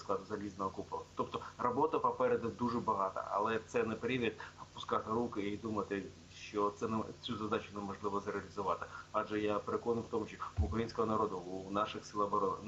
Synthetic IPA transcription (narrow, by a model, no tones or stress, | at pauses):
sklˠɑd̪ʊzɐlʲiznɔɦɔkuplˠɐt̪ɔpt̪ɔrɐbɔt̪ɐpɐpɛɾɛd̪ɐd̪uʐɛbɐɦɑt̪ɐ̰ɐ̰lˠɛt̪sɛnɛpɾʲiʋʲit̪̚pʊskɑt̪ɪɾukɪid̪umɐt̪ɪ | ʃt͡ʃɔt̪sɛt͡sʲuzɐd̪ɑt͡ʃʊnɛmɐʒlˠɪʋɔzɾeɐlʲizʊʋɑt̪ɪɑʒɛjapeɾekɔnʊjwt̪ɔmʊʃʲt͡ʃɔ̥ːkɾɐjinʲsʲkɔɦɔnɐɾod̪ʊunɑʃɪxsʲɨlˠabɔɾɔnɐ